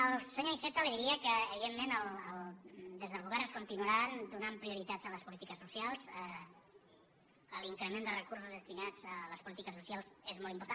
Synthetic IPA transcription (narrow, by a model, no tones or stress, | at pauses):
əlˠsəɲoiθet̪əliðiɾiəkəːβiðemːenəlˠəlˠd̪ezðəlˠɣuβɛɾnəskunt̪inuəɾand̪unampɾiuɾit̪ad͡zələspulit̪ikəsːusialˠzɛ | əliŋkɾəmend̪ərəkuɾrs̬uzðəst̪inad͡zələspulit̪ikəsːusjalˠszezmɔlˠt̪imp̬uɾt̪an